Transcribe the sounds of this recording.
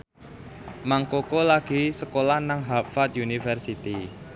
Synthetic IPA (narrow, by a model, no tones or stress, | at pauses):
maŋkokolaɡ̥i̤səkolahnaŋɦapfat̪̚junifərsit̪i